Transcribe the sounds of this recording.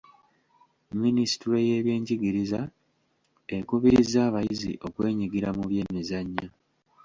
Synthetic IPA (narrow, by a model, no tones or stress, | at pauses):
minisi̥tuɾe̞je̞ːβjeːɲɟiɡiɾiza | ekuβiɾizaːβajizḭʔo̞kwe̞ːɲiɡiɾamuβje̞mizaɲːa